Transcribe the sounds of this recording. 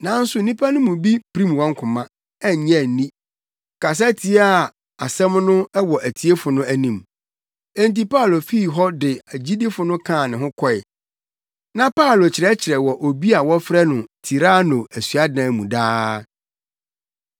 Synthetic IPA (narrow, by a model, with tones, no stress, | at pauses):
nã˨˦n̩˦sʊ˨˦n̩nĩ˦pʰa˦nʊ̃˦mʊ̃˨bi˦pʰɾĩ˦mwɔ̃˦ŋ˦kʰʊ̃˨mã˦ | ɛ˦˨ɲɛ̃˦˨nĩ˦ | kʰa˨s̬a˦tʰi˨e˦a˨ | a˨sɛ̃˦mnʊ̃˦ɛ˦wɔ˨ʔæ˨tʰi˨e˦fʊ˨nʊ̃˦æ˨nĩ˨m | ɛ̃˦nt̬i˦pa˦˨lo˨fi˦˨ɦɔ˦dɪ˨æ˨d͡ʑi˦dɪ˦fʊ˨nʊ̃˦kʰã˦˨nɪ̃˨ɦʊ̃˦kʰɔ˦˨ɪ˨ | nã˦pʰa˦˨lo˨t͡ɕʰɪ˨ɾɛ˦t͡ɕʰɪ˨ɾɛ˨wɔ˨ʔo˨bi˦a˨wɔ˦fɾɛ˦nʊ̃˨tʰi˨ɾa˦nʊ̃˨æ˨sɥa˦dã˨mũ˨daː˦